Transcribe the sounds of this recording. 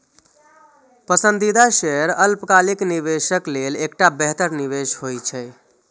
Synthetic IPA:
pəsənd̪id̪aʃeɾəlpkalikniβeʃəklelekʈabɛɦt̪əɾniʋeʃɦojt͡ʃʰɛj

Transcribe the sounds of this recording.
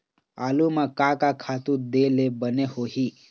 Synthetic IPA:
a̰lumakakakʰat̪ud̪elebənehoɦi

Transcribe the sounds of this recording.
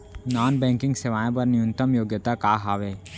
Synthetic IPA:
naːnbɛ̃ːŋkɪ̃ŋɡseʋaːjẽpɐɾnɪjʊ̃nt̪əmjoːɡjət̪akaːɦaːʋeː

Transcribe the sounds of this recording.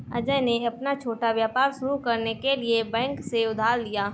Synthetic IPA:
ɐ̰d͡ʒəɦneɐpnat͡ʃʰoːʈaʋjaːpaːɾʃʊɾukɐɾnekeliebɛ̃ːŋkseʊd̪ʱaːɾd̪ijaː

